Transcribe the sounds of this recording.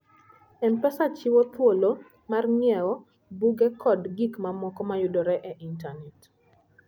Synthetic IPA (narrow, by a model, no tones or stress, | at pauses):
ɛnpɛsat͡ʃiwot̪wolo | marŋɪɛɔ | buɡɛkʰɔdɡikmamɔkɔmajʊdoɾɛʔɛʔintanɛt